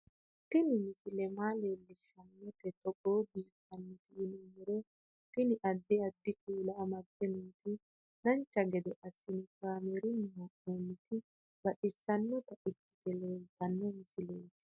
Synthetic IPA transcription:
t̪ɪnɪmɪsɪlɛmaːle̞ːlːɪʃɐnːɛt̪ɛt̪ɔɡoːbiːfɐnːɪt̪ɪɪnumɛɾɔ | t̪ɪnɪʔɐd̪ːɪɐd̪ːɪkuːlɐːmɐɡːɛnʊnt̪ɪ | nɐnt͡ʃːɐɡɛd̪ɔʔɐsːɪnɪkaːmɛɾʊnːɪɦoʔoːnːɪt̪ɪ | bɐᶑɪsːɐnːɔt̪ɐɪkːɪ̥t̪ɛleːlt̪ɐnːɔmɪsɪleːt̪ɪ̥

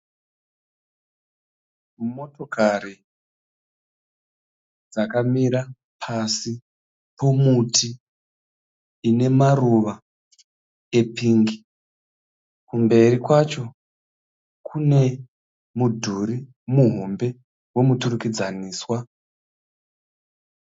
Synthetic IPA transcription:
mmo̞to̞kaɾi | d͡zakamiɾa | pʰasi | po̞mutʰi | ne̞maruʋa | e̞piŋɡi | kumbe̞rikwat͡ʃo̞ | kʰune̞ | mudʱuri | muɦo̞mbe̞ | we̞muturukid͡zaniːswa

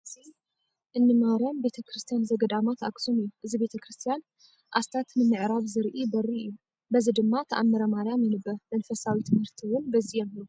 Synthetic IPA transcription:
ɨzi | ʔɨnːɨmaɾjambe̞t̪ʰɐkʰɾɨst̪ʰijanzɐɡɐd̪amat̪a̰ksumɨjːuʔɨzibe̞t̪ʰɐkʰɾɨst̪ʰijan | ʔast̪ʰat̪nɨmɨʕɾaβzɨɾʔibɐriɨjːu | bɐzid̪ɨmːat̪ʰɐʔamːɐɾɐmaɾjamjɛnɨbːɐɾmɐnfɐsawit̪ʰɨmhɨɾt̪ʰiwʊnbɐzijɛmu

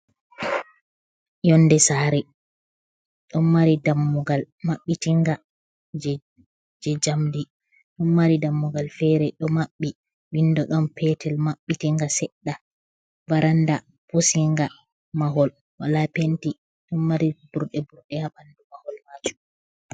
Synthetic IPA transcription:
jɔndɛsaːɾɛ | ɗɔnmaɾidamːuɡal | maɓːitiŋɡa | d͡ʒ | d͡ʒɛd͡ʒamdi | ɗɔnːaɾidamːuɡalfɛɾɛɗɔmaɓːi | windɔɗɔnpʰɛtʰɛlmaɓːitiŋɡasɛɗːa | vaɾanda | posiŋɡa | maɦɔl | walapenti | ɗɔnmaɾib̥uɾɗɛbuɾɗɛhaɓandumahɔlmad͡ʒu

